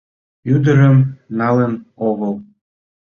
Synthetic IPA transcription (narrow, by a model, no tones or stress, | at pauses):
jyd̪əɾəmnɑlənoɣəl